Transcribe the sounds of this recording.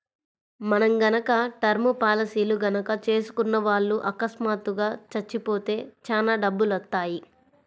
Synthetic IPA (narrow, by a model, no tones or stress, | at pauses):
mɐnɐmɡɐnɐkɐʈɐɾmupaːlɐsiːluɡɐnɐkɐt͡ʃe̞ːsu̥kunːɐʋaːɭːuʔɐkɐsmaːt̪uɡaːt͡ʃɐt͡ʃːipo̞ːt̪e̞ːt͡ʃaːnaːɖɐbːulʋɐt̪ːaːji